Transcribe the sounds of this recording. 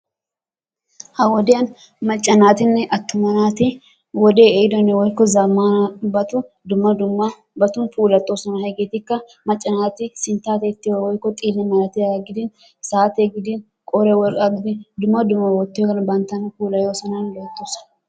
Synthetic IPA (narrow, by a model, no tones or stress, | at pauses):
hɐwɔd̪ɪɐn | mɐt͡ʃʼːɐnaːt̪ɪnːɛʔɐt̪ːʊmɐnaːt̪ɪ | wɔd̪eːeɪd̪ɔnɛwɔjkːɔzɐmːanbɐt̪ʊ | d̪ʊmːɐd̪ʊmːa | bɐt̪ʊnfuːlɐt̪ʼːoːsɐnɐɦɛɡeːt̪ɪkːɐ | mɐt͡ʃʼːɐnaːt̪ɪsɪnt̪aːt̪et̪ːɪjowɔjkːɔt̪ʼiːlːɛmɐlɐt̪ɪjaːɡɪd̪ɪn | saːt̪eɡɪd̪ɪn | kʼɔɾɛwɔkʼaɡɪd̪ɪnd̪ʊmːɐd̪ʊmːɐwɔt̪ːjɔkɐnbɐnt̪ɐnfuːlɐjoːsɐnɐnlot̪ːoːsɐ̥nɐ